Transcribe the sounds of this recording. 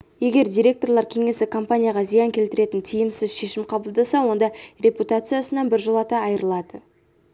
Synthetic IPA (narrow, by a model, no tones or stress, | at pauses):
je̞ɡʲe̞ɾd̪ʲiɾʲe̞k̚t̪o̞ɾlˠɑɾkʲʰe̞ŋe̞sɪkʰo̞mpanʲijaʁɑzijɑŋkʲʰe̞lt̪ɪɾe̞t̪ɪnt̪ʰijɪmsɪzʃe̞ʃɪmqʰɑbəlˠd̪ɑsɑwo̞nd̪ɑɾʲe̞put̪at̪sɨjasənɑnbɪɾʒolˠɑt̪ɑːjəɾəlˠɑd̪ə